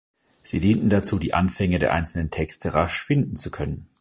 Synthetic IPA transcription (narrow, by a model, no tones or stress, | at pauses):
z̥iːdiːntn̩dat͡suːdiːʔa̰nfɛŋədeːɐʔaɪnt͡sl̩nəntʰɛkstʰəʁaʃfɪndn̩t͡sukʰœnən